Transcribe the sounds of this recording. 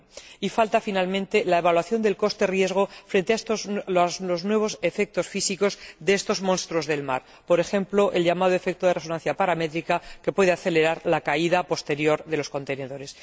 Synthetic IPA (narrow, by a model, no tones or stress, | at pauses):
ifalt̪afinalmẽnt̪e̞laeβ̞alwaθjo̞nd̪e̞lko̞st̪e̞rje̞zɣ̞o̞fɾe̞nt̪east̪oloznwe̞β̞o̞se̞fe̞k̚t̪o̞sfisiko̞zðeest̪o̞zmõnst̪ɾo̞zðe̞lma̰ɾ | po̞ɾe̞xe̞mplo̞ʔe̞lʎamað̞o̞e̞fe̞k̚t̪oðe̞reo̞nan̟θjapaɾame̞t̪ɾikake̞pwe̞ðeaθe̞le̞ɾaɾlakaiðapo̞st̪e̞ɾjo̞ɾðe̞losko̞nt̪e̞ne̞ðo̞ɾe̞s